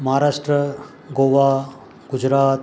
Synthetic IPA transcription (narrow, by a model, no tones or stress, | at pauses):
mɐɦaɾaːʂʈɾə | ɡoʋa | ɡʊd͡ʒɾaːt̪